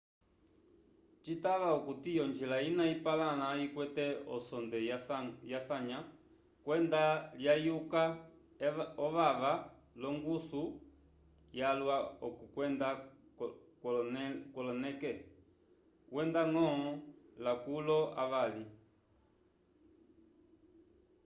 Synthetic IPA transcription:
t͡ʃitaʋaukutijɔnd͡ʒilainaipalanaikwɛtɛɔ̰sɔnd̪ɛjasaɲa | kwɛnd̪aljajuka | ɔʋaʋa | lɔŋɡusu | jalwaɔkukwɛnd̪a | kkɔlɔnɛkɛ | wɛnd̪aŋɔ̃ɔlakulɔa̰ʋali

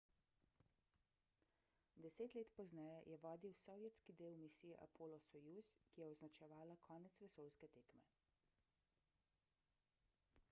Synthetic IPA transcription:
d̪ɛseːt̪leːt̪pɔznɛjɛjʔɛʋɔːd̪iwsɔʋjɛt̪skid̪eːwmisijɛʔa̰pʰoːlɔsɔjuskijɛɔznat͡ʃɛʋaːlakʰɔːnɛt̪sʋɛsoːlskɛt̪eːkmɛ

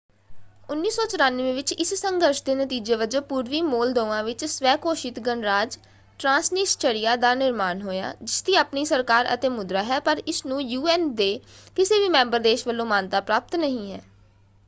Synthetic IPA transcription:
ʊnːiːsɔːt͡ʃəɾaːnʋẽːʋɪt͡ʃɪssəŋɡəɾʃd̪eːnət̪iːd͡ʒeːʋəd͡ʒəpuːɾʋiːmoːld̪oːʋãːʋɪt͡ʃsʋɛːkoːʃɪt̪ɡəɳɾaːd͡ʒ | ʈɾãːsnɪst͡ʃəɽɪjaːd̪aːnɪɾmaːnɦoːja̰ːd͡ʒɪst̪iːaːpniːsəɾkaːɾə̰t̪eːmʊd̪ɾaːɦɛːpəɾɪsnũːjuːɛːnd̪eːkɪseːʋiːmɛ̃ːmbəɾd̪eːʃʋəlːõːmaːnt̪aːpɾaːp̚t̪nəɦĩːɦɛː

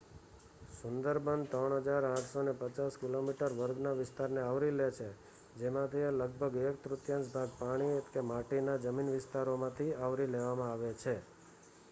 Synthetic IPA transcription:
sʊnd̪əɾbənd̪t̪əɳɦəd͡ʒaɾãʈʰsonepət͡ʃaskilomiʈəɾʋəɾɡnaʋɪst̪aɾneaʋɾilet͡ʃʰe | d͡ʒemãt̪ʰialəɡ̚bʱəɡekt̪ɾʊt̪jə̃nsbʱaɡ̚paɽ̃ikemaʈinad͡ʒəminʋɪst̪aɾomãt̪ʰiaʋɾileʋamãaʋet͡ʃʰe

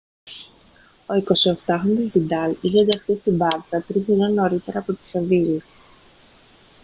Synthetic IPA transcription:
o̞iko̞sie̞kt̪ɐxɾonizd̪id̪ɐliçend̪ɐxθist̪ibɐɾt͡sɐt̪ɾiiɾeno̞ɾit̪e̞ɾɐːpo̞t̪i̥sevili

